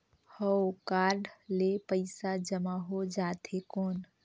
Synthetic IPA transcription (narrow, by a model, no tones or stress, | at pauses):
həwkaɾɖlepəɪsad͡ʒəmaɦod͡ʒat̪ʰekon